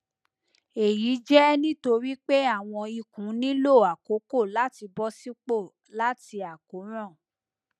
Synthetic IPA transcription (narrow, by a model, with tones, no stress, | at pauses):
e˨ji˨˦d͡ʒɛ˦nĩ˦to˧ɾi˦k͡pe˦a˦˨w̃ɔ̃˧i˧kũ˨˦nĩ˦lo˦˨a˨ko˨˦ko˦˨la˦ti˧bɔ˦si˦k͡po˦˨ | la˦ti˧a˨ko˨˦ɾ̃ɔ̃˦˨